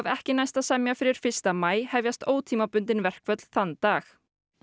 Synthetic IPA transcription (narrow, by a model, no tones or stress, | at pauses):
vɛ̰hcɪnajst̪aðsɛmjafɪɾɪɾ̥fɪ̥st̪amaːjhɛvjast̪oːwt̪ʰiːmapʏnt̪ɪnvɛr̥kvœt̪l̥θanːt̪aːx